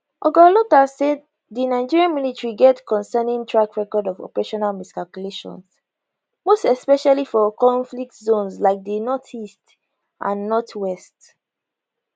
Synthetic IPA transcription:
ʔɔɡɔlɔkasɛd̚ | ðinaɪd͡ʒiɹiãnmilitɹiɡɛtkʰɔ̃nsɛnĩŋtʰɹakɹɛkɔdɔvɔ̰pəɹeʃɔnalmiskalkjuleʃɔ̰̃ns | mostɛspɛʃalifɔkɔ̃ɱflik̚tzõnslaɪk̚dənɔtʰist | ʔã̰nːɔtʰwɛst

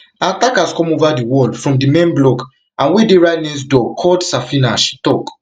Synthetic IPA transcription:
atakaskɔ̃movadiwɔlfɹɔ̃mdimẽnblɔk | ãnwedeɹanĩs̬dɔkʰɔldsafinaʃtɔk

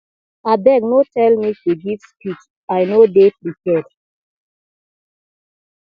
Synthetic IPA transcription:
abɛɡnotɛlmituɡivspit͡ʃ | ajnodefɹikɛd

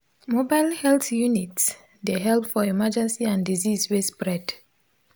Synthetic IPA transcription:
mobalhɛlθjunits | deɦɛlpfɔimad͡ʒɛ̃nsiãndizizwespɹɛd̥

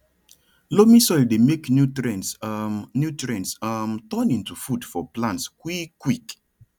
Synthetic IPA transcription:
lomĩsɔɪldemeknjutɹɛ̃nsnjutɹɛ̃nsamtɔ̃nĩntufudfɔplãntskwikːwik

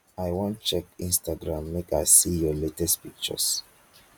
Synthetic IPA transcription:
ajwɔ̃nt̚t͡ʃɛkĩnstaɡɹãmːekaɪsijɔletɛstpik̚t͡ʃə̰s

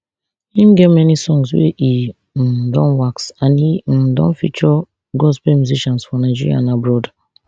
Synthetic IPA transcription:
hĩmɡɛmɛnisɔ̃ŋswḛʔi | m̩dɔ̃nwaksãnim̩dɔ̰̃nfḭt͡ʃɔ | ɡɔspemjuziʃɔ̃nsfɔnaɪd͡ʒiɾḭa̰nabɾɔda

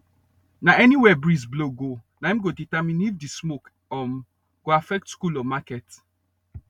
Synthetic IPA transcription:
naɛniwɛbɹisbloɡonaɛ̃mɡoditamĩnifdismok | ɔm | ɡ̥oafɛk̚tskulɔmakɛt

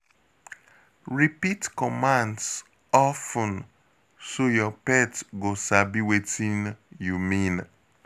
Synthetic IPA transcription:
ɹipitkɔmãnds | ɔfə̃n | sojɔpɛtɡosabiwetĩnjumĩn

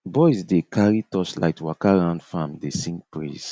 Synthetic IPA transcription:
bɔjzdekʰaɹitɔsla̰ɪtwakaɹãʊ̃ndfãmdesĩŋɡpɹḭz̥

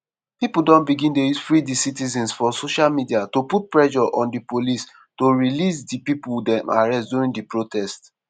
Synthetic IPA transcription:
pipuldɔ̃nbiɡĩndejusfɹidisitizɛ̃nsfɔsoʃalmidiatoput̚pɹɛʃɔʔɔ̃ndipolis | toɹilisdipipuldɛ̃ma̰ɹɛstduɹĩndipɹotʰɛst

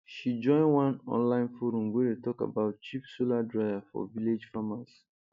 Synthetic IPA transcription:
ʃid͡ʒɔ̃ɪ̃nwãnɔ̰̃nlãɪ̃nfoɾũmwedetɔka̰baʊt̚t͡ʃipsoladɹaɪvafɔ̰viled͡ʒfamas

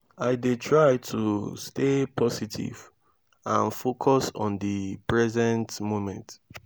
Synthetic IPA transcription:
aɪdetʰɹaɪtʰustepʰɔsitʰḭv | ãnfokʰɔsɔ̰̃ndipɹɛzɛ̃ntmomɛ̃nt

